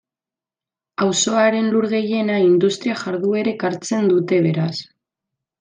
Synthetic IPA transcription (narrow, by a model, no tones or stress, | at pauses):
awso̞aɾe̞nluɾɣe̞je̞naind̪ust̪ɾiaʝaɾðue̞ɾe̞kaɾt͡se̞nd̪ut̪e̞β̞e̞ɾas